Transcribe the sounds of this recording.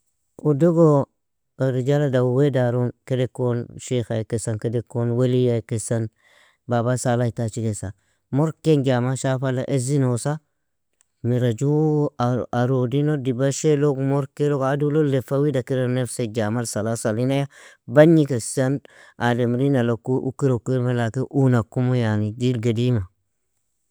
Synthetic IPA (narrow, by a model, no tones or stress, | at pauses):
udoɡo | ɾid͡ʒaladawwedaɾonkedekonʃexajkesankedekːonwelijakesan | babasalaitat͡ʃikesa̰ | moɾkend͡ʒamaʃafala̰ʔezinosa | miɾad͡ʒu | aɾodinodibaʃelokmoɾkelokadulolefawidakiɾanefsed͡ʒamalsalasalinaja | baɲikesanʔademɾinalakuʔṵkiɾokiɾmelakeʔunakumojanidilɡadima